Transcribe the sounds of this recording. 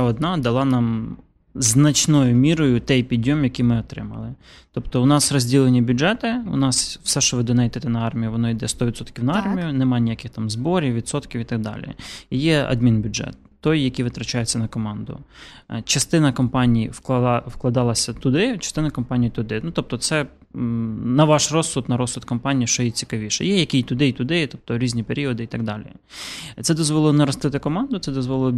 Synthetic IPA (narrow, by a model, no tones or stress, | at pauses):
ɔd̪nɑd̪ɐlˠɑnɑm | znɐt͡ʃnɔjʊmʲiɾɔjʊt̪ɛjpʲid̪ʲːɔmjɐkijmɪɔt̪ɾɪ̰mɐ̰lˠɪ | t̪ɔpt̪ɔʊnɑsrɔzʲdʲilˠenʲːibʲʊʒɛt̪ɪʊ̰nɑsw̥sɛʃt͡ʃɔʋɪd̪ɔnɛjd̪ɪt̪ɪnɐɑrmʲijʊʋɔnɔid̪ɛst̪ɔʋʲdt̪sɔt̪kʲiwnɐɑrmʲijʊnɛmɑnʲijakɪxt̪ɑmzbɔɾʲiwʲʋʲid̪sɔt̪kʲiwit̪ɐɡ̚d̪ɑ̰lʲḭijɛɐ̰d̪mʲinbʲʊʒɛ̰t̪ːɔjjɐkijʋɪt̪ɾɐt͡ʃɑjet͡sʲːɐnɐkɔmɑnd̪ʊ̰t͡ʃɐst̪ɪnɐkɔmpɑnʲijiwkˠwklˠɐd̪ɑlˠɐsʲɐt̪ʊd̪ɪt͡ʃɐst̪ɪnɐkɔmpɑnʲijit̪ʊd̪ɪnut̪ɔp̚t̪ɔt̪sɛ | nɐʋɑʃrɔsːʊt̪nɐɾɔsʊt̪kɔmpɑnʲijiʃt͡ʃɔjɛt͡sʲi̥kɐʋʲiʃɛ̰jɛjɐkijt̪ʊd̪ɪt̪ʊd̪ɪt̪ɔp̚t̪ɔɾʲizʲnʲipeɾʲiɔd̪ɪit̪ɐɡ̚d̪ɑlʲḭ | t̪ɛd̪ɔzʋɔlˠlˠnɐɾɔst̪ɪt̪ɪkɔmɑnd̪ʊt̪sɛd̪ɔzʋɔlˠ